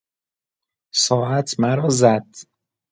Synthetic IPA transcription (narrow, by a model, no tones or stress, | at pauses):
sɒːæt̪ʰmæɾɒːzæd̪̥